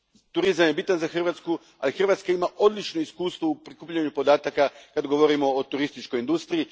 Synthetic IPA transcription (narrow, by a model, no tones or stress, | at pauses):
t̪uɾizamjebit̪anzaxr̩ʋat̪sku | a̰lixr̩ʋaːt̪skaimaʔo̞d̪lit͡ʃnoiskuːst̪ʋoupɾikuːpʎaɲupo̞d̪aːt̪akakad̪ɡoʋo̞ɾimo̞ot̪uɾist̪it͡ʃko̞jind̪ust̪ɾii